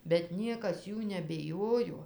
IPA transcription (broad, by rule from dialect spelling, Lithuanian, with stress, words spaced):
bʲɛt ˈnʲiɛkɐs ˈjuː nʲɛbʲɪˈjoːjoː